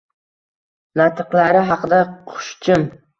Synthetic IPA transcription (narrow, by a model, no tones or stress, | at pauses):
nat̪ʰɨqlaɾɪɦɑqɨd̪aqʰʊ̥ʃt͡ʃʰɪm